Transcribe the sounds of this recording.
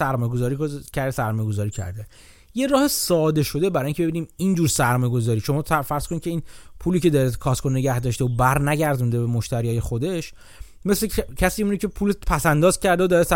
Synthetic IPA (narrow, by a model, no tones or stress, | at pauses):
æɾmɒːjeozɒːɾicʰæɾd̪esæɾmɒːjeɡo̞zɒːɾiːcʰæ̰ɾd̪e | je̞ɾɒːhesɒːd̪e̞ʃo̞d̪e̞bæɾɒːjiŋcʰʲeebiːniːmind͡ʒuːɾsæɾmɒːjeɡo̞zɒːɾiːʃo̞mɒːfæɾz̥kʰonit̪̚ʲcʰeiːnpʰuːliːce̞d̪ɒːɾekʰɒskʰonne̞ɟæhd̪ɒʃt̪eobæɾnæɟæɾd̪und̪ebemoʃt̪æɾiːɒːje̞xod̪e̞ʃ | me̞slecʰæsiːunɾecʰepʰuːlepʰæsænd̪ɒːzcʰæɾd̪eod̪ɒːɾes